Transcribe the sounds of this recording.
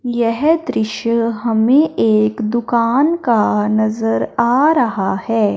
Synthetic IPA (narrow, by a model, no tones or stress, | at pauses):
jɛɦd̪ɾɪʃjəɦɐmẽʔeːkd̪ʊkaːnkanɐzəɾaːɾɐɦahɛː